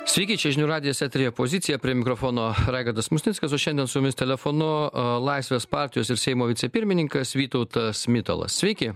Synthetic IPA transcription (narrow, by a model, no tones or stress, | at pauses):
sʲʋʲɛɪkʲɪt͡ʃʲɛʒʲɪnʲuːɾɑːd̪ʲɪjɛsʲɛt̪ʲɾʲɪjopozʲɪt̪sʲɪjɛpʲɾʲiɛmʲɪkɾofoːnoːɾɑɪɡɐrd̪ɐsmʊsʲnʲɪt̪skɐsoːʃʲɛnd̪ʲiɛnsʊjʊmʲɪst̪ʲɛlʲɛfonʊlˠɐɪsʋʲeːspɑːɾʲt̪ʲɪjoːsɪɾsʲɛɪmoːʋʲɪt̪sʲɛpʲɪɾʲmʲɪnʲɪŋkɐsʋʲiːt̪ɔʊt̪ɐsmʲɪt̪o̰lˠɐ̰ssʲʋʲɛɪkʲɪ